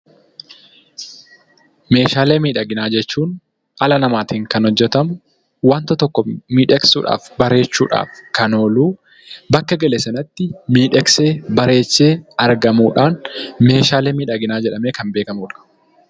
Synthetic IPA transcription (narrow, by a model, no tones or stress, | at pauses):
me̞ːʃaːleːmiːᶑɐɡɪnaːd͡ʒɛt͡ʃːuːn | ɐlɐnɐmaːt̪iːŋkɐnhɔd͡ʒːɛt̪ɐmʊ | waːnt̪ɐt̪ɔkːɔmiːᶑɛksṵːᶑa̰ːfbɐɾe̞ːt͡ʃːṵːᶑa̰ːfkɐno̞ːluː | bɐkːɐɡɐlesɐnɐt̪ːɪmiːᶑɛkseːbɐɾe̞ːt͡ʃːe̞ːɐɾɡɐmuːᶑaːnme̞ːʃaːleːmiːᶑɐɡɪnaːd͡ʒɛᶑɐme̞ːkɐmbe̞ːkɐmuːᶑɐ̥